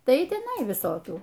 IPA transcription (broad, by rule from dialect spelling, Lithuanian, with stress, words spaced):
ˈtɐɪ ɪ tʲɛˈnɐɪ ʋʲɪˈsoːkʲuː